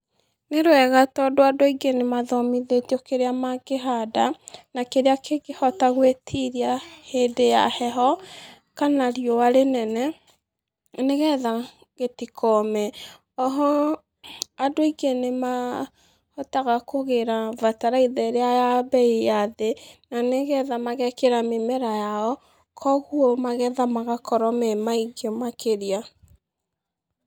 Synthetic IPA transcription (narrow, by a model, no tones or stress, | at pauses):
neɾoɛɣatɔdoadoiɡenemaðɔmiðetiɔkeɾeamakeɦadanakeɾeakekehɔtaɣwetʰiɾiahedeja̰hɛɦɔ | kanaɾiɔaɾenɛnɛ | neɣɛða | ɣetikʰɔmɛ | ɔɦɔ | adoiɡenema | hɔtaɣakoɣeɾavataɾaiðɛɾeajabɛijaðenaneɣɛðamaɣɛkeɾamemɛɾajaɔ | kʰɔɣuomaɣɛðamaɣakɔɾɔmɛmaiɡemakeɾia